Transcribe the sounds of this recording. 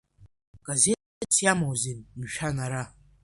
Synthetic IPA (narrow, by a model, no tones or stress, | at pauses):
ɡ̥aze | ɨt͡sʰjamawzinmʃᶣanaɾa